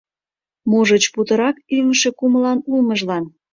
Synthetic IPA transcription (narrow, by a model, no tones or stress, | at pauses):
muʒət͡ɕput̪əɾɑkyməʃe̽kuməlɑnuməʒlɑn